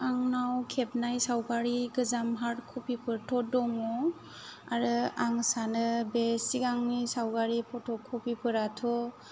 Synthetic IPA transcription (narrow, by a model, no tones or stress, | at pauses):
aŋnawkʰep̚najsawɡaɾiɡɯzamɦaɾtkʰupipʰɯɾtʰɔdɔŋɔ | aɾɯaŋsanɯbesiɡaŋnisawɡaɾipʰɔtʰɔkʰːupipʰɯɾatʰɔ